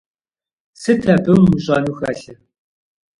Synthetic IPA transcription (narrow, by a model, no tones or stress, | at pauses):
sɨtʰɐbɨmːuʑʼɐnuxɐ̰ɬɐ